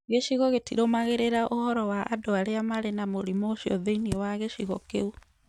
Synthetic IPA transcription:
ɣeʃiɣɔɣetiɾomaɣeɾeɾaʔohɔɾɔwaʔːdoaɾeamaɾenamoɾimoʃiɔ̰ðeiniwaɣeʃiɣɔkeu

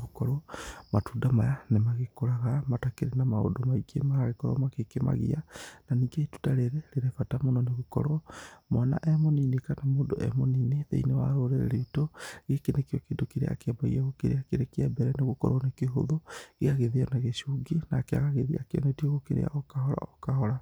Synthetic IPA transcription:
ɣokɔɾɔmatuːdamajanemaɣekoɾaɣamatakeɾenamao̰domaikʰḛmaɣaɣekɔɾɔ̰makekema̰ɣḭananiːŋɡeitu̥taɾeɾeɾeɾefatamonɔneɣokɔ̰ɾɔmana̰ʔɛmoniːnekanamoːdoʔɛ̰monineðḛinewaɾoɾeɾḛɾeitoɣekenekeɔkedokeɾḛa̰keabaḭaɣokḛɾḛakeɾekeɛbɛɾɛneɣokɔ̰ɾɔnekeɦo̰ðoɣeaɣeðeɔnaɣeʃuɡenakea̰ɣaɣeðia̰keɔ̰netiɔɣokeɾḛa̰ʔokahɔɾa̰okahɔɾa

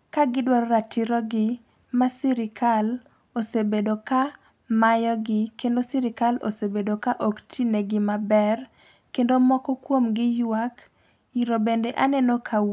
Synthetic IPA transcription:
kaɡɪdwaɾɔɾatiɾɔɡɪ | masiɾɪkʰal | osebedoka | majɔɡɪkendosiɾɪkalo̰sebedokaʔoktineɡɪmabɛr | kendomɔkɔkwomɡɪjwak | iɾobendeʔanɛnokʰa

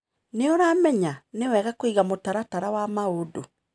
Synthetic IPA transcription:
neoɾamɛɲanewɛːɣakoiɣamotaɾataɾawamaodo

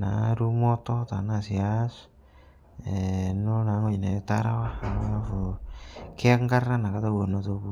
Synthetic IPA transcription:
na̰ɾumotot̪anasias | enonaŋojnat̪a̰ɾawamonafu | kʰekŋɡaranakatowenotoku

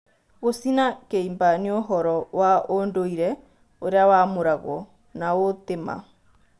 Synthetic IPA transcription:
ɣosinakeimbanioɦɔɾɔwaondoiɾɛ | oɾeawamoɾaɣɔ̰ | naot̪ema̰

